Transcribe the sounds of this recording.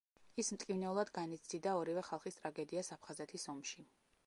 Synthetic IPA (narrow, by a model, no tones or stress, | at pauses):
ismt̪ʼkʼivnɛulˠad̪ɡanit̪sid̪aɔɾivɛχalˠχist̪ʼɾaɡɛd̪iasapʰχazɛt̪ʰisɔmʃi